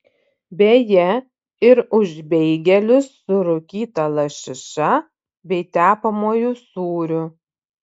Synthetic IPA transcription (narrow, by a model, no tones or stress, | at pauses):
bʲeːjɛ | ɪɾʊʒʲbʲɛɪɡʲɛlʲʊsːʊɾʊkʲiːt̪ɐlˠɐʃʲɪʃɐ | bʲɛɪt̪ʲæːpɐmoːjusuːɾʲʊ